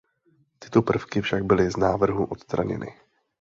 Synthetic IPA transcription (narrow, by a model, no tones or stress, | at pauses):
t̪ɪ̥t̪opr̩fkɪfʃaɡ̚bɪlɪznaːvr̩ɦuʔo̞t̪st̪ɾaɲɛ̰nɪ̰